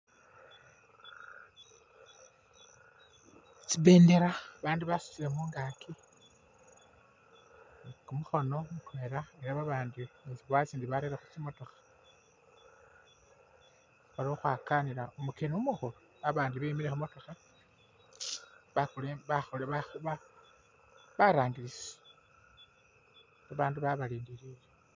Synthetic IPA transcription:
t͡siβeːndeɾaβaːndiβasu̥t͡silemuːŋɡakʰi | kumuxo̞no̞mukueɾaeɾaβaβaːndieziβwat͡siːndiβaɾeɾaxut͡simo̞to̞xḁ | aɾioxwaːkaniɾaumukenumuxolo | aβaːndiβemiɾexumo̞to̞xa | βaxuleβaxolβaβa | βaɾaːŋɡiɾise̥ | βaβaːnduβaβaliːndiɾile

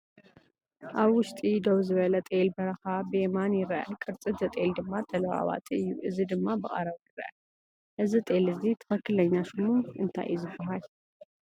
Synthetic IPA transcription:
ʔaβwʊʃt̪ʼid̪owzɨβɐlɐt̪ʼelbɐɾɐxabɨemanjɪɾɐʔɐkʼɨɾt͡sʼɨt̪zɐt̪ʼeld̪ɨmːat̪ʼɐlɐwa̰wa̰t̪ʰʼɨjːuʔɨzid̪ɨmːabɨχʼɐɾɐβjɨɾɐ̰ʔɐ | ʔɨzit̪ʼelɨzit̪ʰɐ̥xɐkːɨlɐɲːaʃɨmuɨnt̪ʰa̰jzɨbːɐɦal

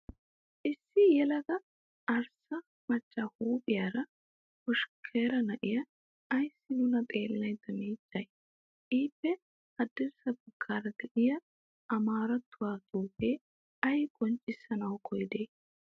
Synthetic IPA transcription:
ʔɪsːɪjɛlɐɡɐ | ɐɾsɐ | mɐt͡ʃːaːhuːpʼɪjaːɾɐ | hʊʃkʰːeːɾɐnɐʔɪjɐː | jsːɪnʊnɐt̪ʼe̞ːlːɐjd̪ɐmiːd͡ʒːɐj | ʔiːpːɛ | hɐd̪ɪɾsɐbɐkʰːaːɾɐd̪ɛʔɪjɐ | ɐmaːɾɐt̪ːʊwaːt̪ʼuːpeː | ɐjkʼɔnt͡ʃʼːɪsːɐnɐwkʰɔjɪd̪e̞ː

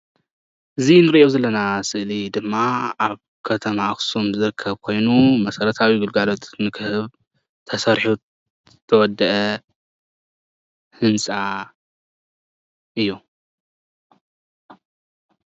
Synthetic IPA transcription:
ʔɨzinɨɾʔewzɐlːɐnasɨʔlid̪ɨmːaaβ | kʰɐt̪ʰɐmaxɨ̥somzɨɾɨkʰːɐβkʰo̞jnumɐsɐɾɐt̪ʰawiɡɨlɡalo̞t̪nɨkʰɨhɨβ | t̪ʰɐsɐɾħu | t̪ʰɐwɔd̪ːɐʔɐ | hɨnsʼa | ʔɨjːu

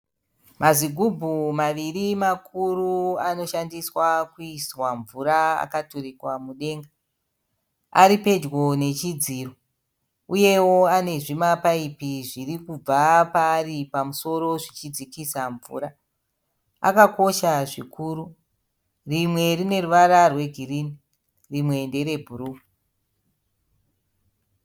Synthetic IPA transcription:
maziɡʱubʱumaʋirimakʰuruano̞ʃandiswakuiswaɱvuɾaa̰katorikwamuɗe̞ːŋɡa | aɾipe̞d͡ʒɣo̞ne̞t͡ʃid͡ziːro̞ | uje̞wo̞ane̞ʐimapaipiʐirikub͡vapaːripamuso̞ɾo̞ʐit͡ʃid͡zikisaɱvṵːɾa | a̰kako̞ʃaʐikʰuːɾu | rimwe̞rine̞ruʋaɾarwe̞ɡʱirini | rimwe̞nde̞ɾe̞bʱuɾuː

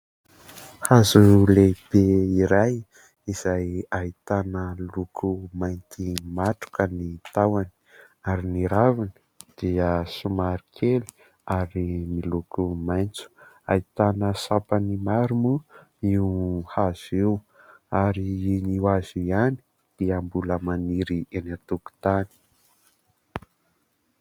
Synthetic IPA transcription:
hazuleb̥eiɾaj | iz̥ajait̪anəlukʰumajnt̪imaʈ͡ʂu̥kənit̪awani̥aɾiniɾavani̥ | d̪̥iəsumaɾikʰeli̥ | aɾimilukʰumajnt͡su̥ | a̰it̪anəsapanimaɾumu | iuhaz̥ew | aɾiiniwaziani̥ | d̪̥iəmbuləmaniɾienat̪uku̥t̪ani̥

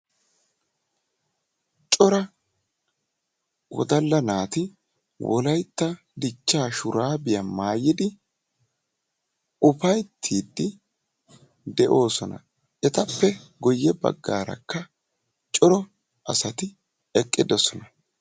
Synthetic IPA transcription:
t͡ʃʼɔɾɐ | wɔ̰d̪ɐlːɐnaːt̪ɪ | wɔ̰lɐjt̪ːɐ | d̪ɪt͡ʃːaːʃʊɾaːbɪjɐmaːjːɪd̪ɪ | ʊfɐjt̪ʰːiːd̪ːɪ | d̪ɛʔo̞ːsɔnɐ̰ | ʔɛt̪ɐpːɛɡɔjːɛbɐ̰ɡːaːɾɐ̰kːɐ | t͡ʃʼɔɾɔ | ʔɐsɐt̪ɪ | ɛkʼːɪd̪ɔsɔnɐ

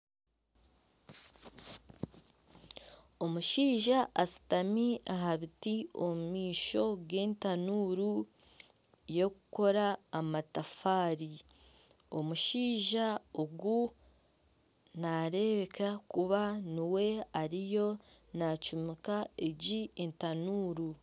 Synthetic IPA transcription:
o̞muʃiːʒaʔːsi̥tamiaɦaβitio̞mumiːʃo̞ɡe̞ːntanuːɾu | jo̞kuko̞ɾaːmatafaːɾi | o̞muʃiːʒaoɡu | naɾe̞βe̞kʰakuβaniwe̞aɾijo̞nacumikaeɟientanuːɾu

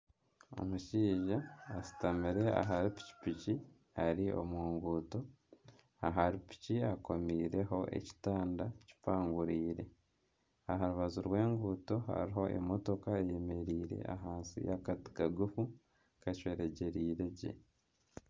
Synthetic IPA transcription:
o̞̰muʃiːʒaːsi̥tamiɾe̞a̰ɦaɾipi̥ci̥pici | aɾiʔo̞̰muːŋɡuːto̞ | aɦaɾipi̥ciako̞miːɾe̞ɦo̞ʔe̞̰ci̥taːndaci̥paːŋɡuɾiːɾe̞ | aɦaɾuβazuɾwe̞ːŋɡuːto̞ɦa̰ɾiɦo̞ʔḛmo̞to̞kaeje̞me̞ɾiːɾe̞̰ʔa̰ɦaːnsḭjakati̥kaɡufu | kacweɾeɟe̞ɾiːɾe̞ɟḛ

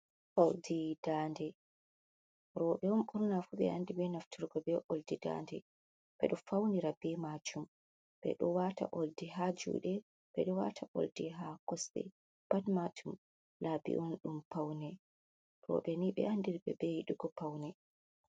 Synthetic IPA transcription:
ʔoldid̥andɛ | ɾɔːɓɛɔnɓuɾnafuɓɛ̰andibɛnaftuɾɡɔbɛʔoldida̰ndɛ | bɛ̰ɗɔfawniɾabɛmad͡ʒum | b̥ɛ̰ɗɔwata̰ʔoldiɦad͡ʒṵːɗɛ | b̥ɛɗɔwa̰tʰaʔo̰ldiɦakɔsɗɛ̰ | b̥atmatʰum | labḭʔɔnɗumpawnɛ | ɾɔ̰ɓɛniɓɛ̰ʔandiɾbɛbɛjiɗuɡɔpawnɛ

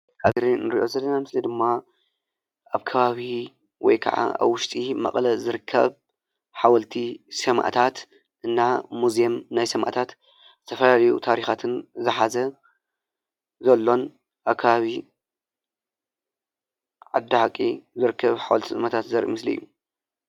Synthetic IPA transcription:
kaβiɾinɨɾiʔo̞zɐlːɐnamɨslid̪ɨmːa | ʔaβkʰɐβaβi | wɔ̰jkʰɐ̰ʕa̰ʔa̰βwʊʃt̪ʼimɐ̰χʼlɐzɨɾɨkʰːɐ̰β | ħawɐlt̪ʰisɐma̰ʔt̪ʰat̪ | ʔɨnːamuzemnajsɐma̰ʔt̪ʰat̪ | z̥ɨt̪ʰɐfɐlalɐjṵt̪ʰaɾixat̪ʰɨnzɨħazɐ | zɐlːo̞n | ʔaβkʰɐβaβi | ʕad̪ːaħakʼːizɨɾɨkːɐβħawɐlt̪ʰisʼɨmɐt̪ʰat̪zɐɾʔṵmɨsliɨ̰jːu

